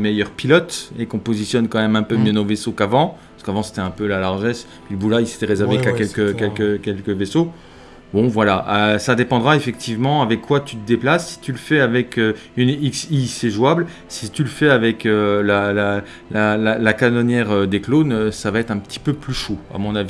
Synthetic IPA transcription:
mejœʁpilɔt̪ekɔ̃pozisjɔnkɑ̃mɛmɛ̃pømjønovesokavɑ̃pasəkavɑ̃se̥t̪ɛɛ̃pølalaʁʒɛs | piləbulailse̥t̪ɛʁezɛʁvekakʲɛlkəkʲɛlkəkʲɛlkəveso | bɔ̃vwalaʔasad̪epɑ̃d̪ʁaefɛk̚t̪ʰivmɑ̃avɛkʰːwat̪yt̪əd̪eplasːi̥t̪yləfɛavɛkøyniksiseʒwabl | sit̪yləfɛavɛkølala | lalalakanɔnjɛʁød̪eklonøsavaɛt̪χɛ̃pə̥t̪i̥pøplyʃoa̰mɔ̃navi

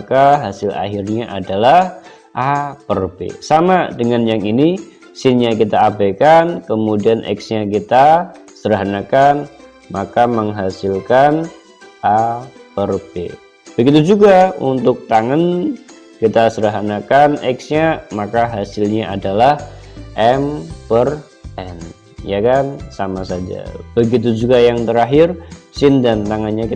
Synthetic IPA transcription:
kaɦasɪla̰ɦɪrɲaʔadalah | ʔapərbḛsamadəŋanjaŋini | sɪnɲak̬it̪aːbakankəmudianʔɛ̰ksɲakit̪asəɾaɦanakan | makaməŋɦasɪlkan | ʔapərb̥ḛ | b̥əɡit̪̬ud͡ʒuɡaunt̪ʊk̚t̪aŋan | kit̪asəɾaɦanakanɛksɲamakaɦasɪlɲaʔadalahʔɛmpər | ʔɛn | jakansamasad͡ʒa̰b̥əɡit̪̬ud͡ʒuɡajaŋt̪əɾaɦɪrsɪndant̪aŋanɲaki

